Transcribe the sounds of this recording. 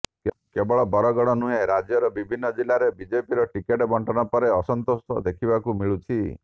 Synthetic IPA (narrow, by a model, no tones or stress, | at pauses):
k | kebɔɭɔbɔɾɔɡɔɽ̃ɔnuɦeɾad͡ʒjɔɾɔbibʱinːɔd͡ʒilaɾebid͡ʒepiɾɔʈikeʈɔbɔɳʈɔnɔpɔɾeɔsɔnt̪ost̪ʰɔ̰d̪ekʰibakumiɭut͡ʃʰi